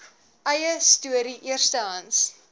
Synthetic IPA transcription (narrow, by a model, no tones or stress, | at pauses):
ʔɐjəstuəɾiʔiərstɐɐns